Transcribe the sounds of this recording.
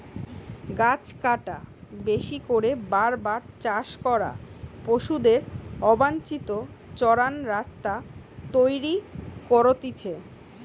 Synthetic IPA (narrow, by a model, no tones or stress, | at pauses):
ɡat͡ɕkaʈabeʃikoɾebaɾbaɾt͡ɕaʃkɔɾa̰poʃud̪eɾɔbant͡ɕit̪o | t͡ɕɔɾanɾast̪a | t̪ojɾikɔɾot̪it͡ɕʰe